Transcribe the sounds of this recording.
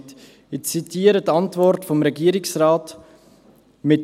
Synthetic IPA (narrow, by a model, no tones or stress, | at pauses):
t | ɪt͡sitiːəɾətɑntvɔɾtfomɾɛɡiːɾɪksɾaːt | mɪt